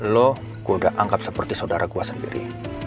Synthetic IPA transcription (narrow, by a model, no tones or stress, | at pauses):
lɔ | ɡodaʔaŋkap̚səpərt̪isaudaɾʔakuasəndḭɾḭ